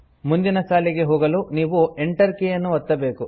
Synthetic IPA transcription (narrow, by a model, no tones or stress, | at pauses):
mund̪inɐʃaːliɡe̞ɦoːɡɐluniːʋueɳʈɐɾkejɐnːuɐt̪ːɐbe̞ːku